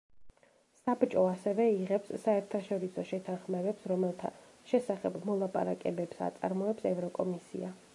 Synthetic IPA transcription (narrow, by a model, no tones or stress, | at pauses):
sabt͡ʃʼɔasɛvɛiʁɛpsːaɛɾt̪ʰaʃɔɾisɔʃɛt̪ʰanχmɛbɛpsɾɔmɛlˠt̪ʰa̰ | ʃɛsaχɛbmɔlˠapʼa̰ɾakʼɛbɛpsa̰t̪sʼa̰ɾmɔɛpsɛvɾɔkʼɔmisḭa